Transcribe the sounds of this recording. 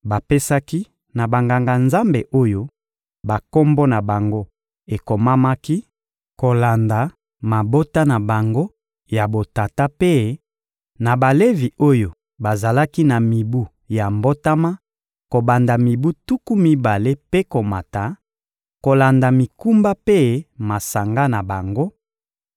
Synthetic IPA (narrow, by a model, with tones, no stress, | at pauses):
ba˨pe˦sa˦ki˦ | na˨ba˨ŋɡa˨ŋɡa˨nza˦mbe˨ʔo˦jo˦ | ba˨ko˦mbo˦na˨ba˨ŋɡo˦ | e˨ko˨ma˦ma˦ki˦ | ko˨la˨nda˨ | ma˨bo˦ta˦na˨ba˨ŋɡo˦ | ja˨bo˨ta˨ta˦pe˦ | na˨ba˨le˦vi˨o˦jo˨ | ba˨za˨la˦ki˦na˨mi˨bu˦ | ja˨mbo˦ta˦ma˦ | ko˨ba˨nda˨mi˨bu˦tu˦ku˦mi˦ba˨le˦pe˦ko˨ma˨ta˨ | ko˨la˨nda˨mi˨ku˦mba˦pe˦ma˨sa˨ŋɡa˦na˨ba˨ŋɡo˦